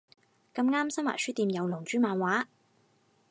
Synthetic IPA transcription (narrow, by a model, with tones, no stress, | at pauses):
kɐ˧mŋaː˥msɐ˥mwa̰ː˨˩syː˥t̪iː˧mjɐ˨˧wlʊ˨˩ŋt͡ʃyː˨˥maː˨˧nwaː˨˥